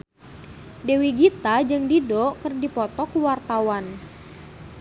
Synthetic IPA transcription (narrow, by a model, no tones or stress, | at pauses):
dewiɡit̪ad͡ʒɨŋdidɔkɨrdipɔt̪ɔkuwart̪awan